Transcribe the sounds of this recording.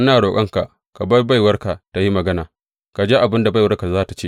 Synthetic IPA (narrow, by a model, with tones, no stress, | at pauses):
ʔa˦naː˨ɽoː˨kʼɐ˦ŋka˨ʔ | ka˨bɐ˦rba˦˨jwɐ˦rka˨ta˨ji˦mɐ˨ɡɐ˦naː˨ | ka˨d͡ʒeː˦ʔa˨bɪ˦nda˨ba˦jwɐ˦rka˨zaː˦ta˨t͡ʃeː˦